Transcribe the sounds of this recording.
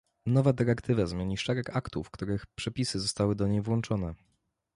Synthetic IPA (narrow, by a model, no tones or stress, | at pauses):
nɔvad̪ɛɾɛkt̪ʰɘvazmʲjeɲiʂɛɾɛkakt̪ufkt̪uɾɘxpʂɛpʲisɘzɔst̪awɘd̪ɔɲejvwɔnt͡ʂɔnɛ